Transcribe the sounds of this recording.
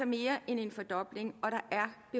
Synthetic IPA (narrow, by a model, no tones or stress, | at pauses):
ɐme̝ːɐʔene̝nfɒ̽d̥ɒ̽b̥le̝ŋɒ̽ɾ̥ɑ̈ʔæɐb̥e̝